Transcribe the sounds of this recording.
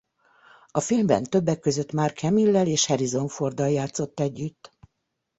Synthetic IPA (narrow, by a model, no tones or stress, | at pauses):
ɒfilmbɛ̰nt̪ø̞bːɛkːøzøt̪maːrkhɛmilːɛleːʃhɛɾizo̞ɱfo̞rd̪ɒjaːt̪so̞t̪ːɛɟːyt̪ː